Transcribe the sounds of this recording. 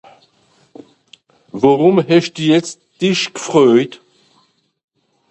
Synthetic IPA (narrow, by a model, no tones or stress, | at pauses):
vaʁʊmɦɛʃd̥uːjɛt͡std̥ɪʃɡ̥əfʁøːt